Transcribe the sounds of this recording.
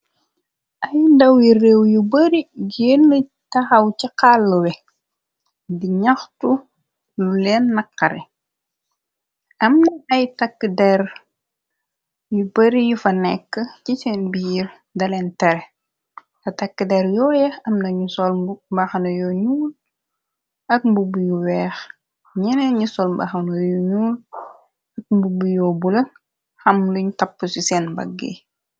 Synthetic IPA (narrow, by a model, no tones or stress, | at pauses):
ʔɐjudɐwjireːwjubɐɾiɡeːnːə | tɐxɐwciqaːlːəwɛ | diɲɐxtu | lulɛːnːɐqːɐɾɛ | ʔɐmnɐɐjtɐkːədɛr | jubɐɾijufɐnɛkːəcit͡ʃɛnbijir | dɐlɛntɛɾɛ | tɐtɐkːədɛɾjɔːjɐɐmnɐɲusɔlmbaxɐnɐjɔɲuːl | ɐk̚mbubujuwɛːx | ɲɛnɛɲusɔlmba̰xɐnojuɲuːl | ɐk̚mbubujɔːbulɐ | xɐmluɲtɐpːəsusɛnbɐ̰ɡːḛ